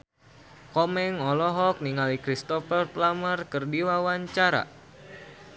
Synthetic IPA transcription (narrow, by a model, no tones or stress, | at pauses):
kɔmɛŋɔlɔɦɔk̚niŋalikɾist̪ɔfərplamərkɨrdiwawaɲt͡ʃaɾa̰